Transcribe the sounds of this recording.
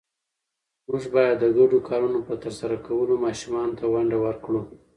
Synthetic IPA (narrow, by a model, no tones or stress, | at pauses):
mʊʐbɑjad̪ːəɡaɖokʰɑɾunopət̪əɾsaɾakawəlomɑʃumɑnot̪awaɳɖawəɾkɽu